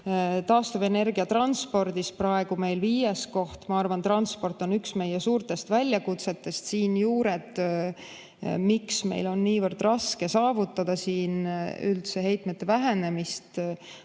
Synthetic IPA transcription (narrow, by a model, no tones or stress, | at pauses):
t̪ɑːst̪ɑve̞ne̞rɡiɑt̪rɑnspo̞rd̪isprɑe̞ɡ̥ume̞jlviːjesko̞ht̪mɑɑrvɑnt̪rɑnspo̞rt̪ːˑo̞nyksme̞jesuːrt̪e̞st̪vælʲjɑkut̪se̞t̪ːe̞st̪siːnjuːɾet̪ | miksme̞̰jlo̞nːiːvərd̪̥rɑske̞sɑːvut̪ːˑɑd̪̥ɑsiːnylt̪se̞ɦe̞jt̪ˑmet̪ːe̞væɦene̞mist̪